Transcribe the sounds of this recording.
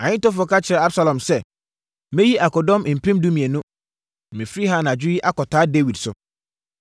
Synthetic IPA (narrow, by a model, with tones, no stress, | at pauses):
ã˨ɲɪ̃˦tɔ˦fɔ˨˦ka˦t͡ɕʰɪ˨ɾɛ˨a˦bsa˦lɔ̃˨msɛ˦˨ | mɛ̃˦ji˦ʔa˨kɔ˨dɔ̃˦m˨m̩˨pʰẽ˦mdũ˦mĩ˨ɛ˨nʊ̃˦˨ | mɪ̃˨fɾi˦ɦa˦nã˨d͡ʑᶣɪ˦jɪ˦ʔa˦kɔ˨tʰaː˨˦de˦wi˨dsʊ̰˨